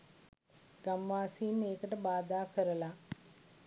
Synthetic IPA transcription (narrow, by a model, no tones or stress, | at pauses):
ɡ̥ɐmʋaːsiːneːkəʈəbaːd̪aːkəɾəla